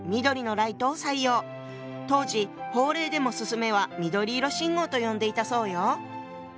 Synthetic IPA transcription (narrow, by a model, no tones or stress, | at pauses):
mʲid̪o̞ɾʲino̞ɾait̪o̞ːsaijo̞ː | t̪o̞ːʑiho̞ːɾe̞ːd̪e̞mo̞sɨsɨme̞β̞amʲid̪o̞ɾʲiːɾo̞ɕĩŋɡo̞ːt̪o̞jõ̞nd̪e̞it̪aso̞ːjo